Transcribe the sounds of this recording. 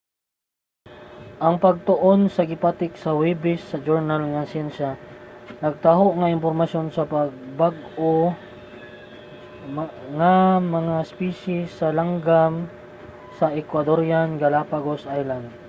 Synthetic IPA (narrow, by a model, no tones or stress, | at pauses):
ʔɐŋpɐɡ̚t̪oʔo̞nsɐɡɪpat̪ɪksɐwibɪsːɐd͡ʒoɹnalŋɐsɛnʃanɐɡ̚t̪aɦoʔŋɐʔɪmpoɾmɐsjo̞nsɐpɐɡ̚baɡo | ŋamɐŋaspiʃɪsːɐlaŋɡam | sɐʔɛkwɐd̪oɾjanɡɐlapaɡosʔajland̪̚